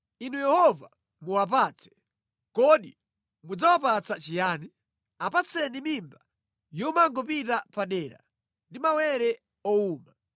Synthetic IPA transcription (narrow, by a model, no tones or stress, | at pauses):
inujɛhɔva̰ | muwap̬aːt͡sʰɛ̥ | kɔɗi | mud͡zawap̬at͡sat͡ʃijaːni | apat͡sʰɛnimimba | jɔmaŋɡɔpitapaɗɛːɾa̰ | ndimawɛɾɛ | ɔuːma